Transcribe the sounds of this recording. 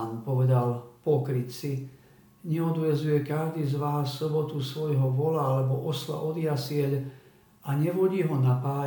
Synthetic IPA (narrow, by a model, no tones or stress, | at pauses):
npɔʋɛd̪alpɔkɾitsi | ɲɛɔd̪ʋɛzujɛkaʒd̪iːzʋaːsːɔbɔt̪usʋɔjɦɔʋɔlaalɛbɔʔɔsla̰ʔɔd̪ɪjasɪɛʎ | aɲɛʋɔɟiːɦɔnapaː